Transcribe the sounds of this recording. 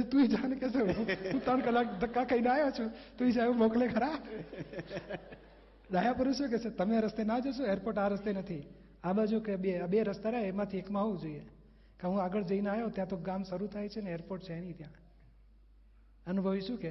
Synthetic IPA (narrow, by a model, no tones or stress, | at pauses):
t̪uid͡ʒankesʰeɦũũt̪ɾəɳkəlakd̪ʱəkːakəineajot͡ʃʰũt̪uid͡ʒaeʋũmoklekʰəɾa | d̪ajapəɾuʃokeset̪əmeaɾəst̪enad͡ʒoʃ̬oeɾpoɾʈaɾəst̪enət̪ʰi | aɓad͡ʒukebeabeɾəst̪aɾaemãt̪ʰiekmãɦoũd͡ʒoie | keɦũaɡəɭd͡ʒəinajot̪jãt̪oɡamsəɾut̪ʰajt͡ʃʰeneeɾpoʈt͡ʃʰeenĩt̪jã | ənubʱəʋiʃũke